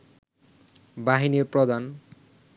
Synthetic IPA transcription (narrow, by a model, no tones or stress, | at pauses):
baɦiniɾpɾod̪an